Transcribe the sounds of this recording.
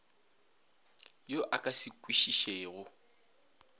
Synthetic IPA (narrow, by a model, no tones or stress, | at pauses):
joʔakʼasɪkʼwiʃiʃeːɣʊ